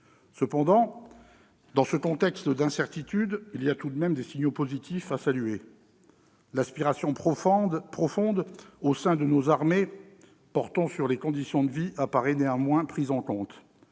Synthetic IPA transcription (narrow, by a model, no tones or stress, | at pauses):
səpɑ̃d̪ɑ̃ | d̪ɑ̃səkɔ̃t̪ɛkst̪d̪ɛ̃sɛʁt̪it̪yd̪iliat̪ud̪mɛmd̪esiɲopozit̪ʰifasalye | laspiʁasjɔ̃ | pχɔfɔ̃d̪osɛ̃d̪ənozaʁme | pɔʁt̪ɑ̃syʁlekɔ̃d̪isjɔ̃d̪əviʔapaʁɛneɑ̃mwɛ̃pχizɑ̃kɔ̃t̪